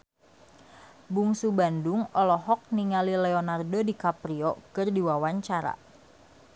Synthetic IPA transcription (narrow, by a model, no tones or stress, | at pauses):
buŋsubanduŋɔlɔɦɔk̚niŋalilɛonardodikapɾiɔkɨrdiwawaɲt͡ʃaɾa̰